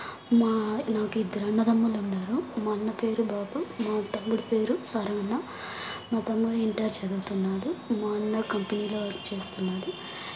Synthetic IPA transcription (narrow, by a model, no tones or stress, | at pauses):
maːnaːkuid̪ːɐɾɐɳːɐt̪ɐmːuluɳːaːɾumɐnːɐpe̞ːɾubaːbumaːt̪ɐmbuɽupe̞ːɾusaːɾɐŋɐnːɐ | maːt̪ɐmːuliɳʈaːt͡ʃɐd̪uɡut̪unːaːɽumanːɐkɐmpeniːloːʋɐki̥t͡ʃe̞ːst̪unːaːɽu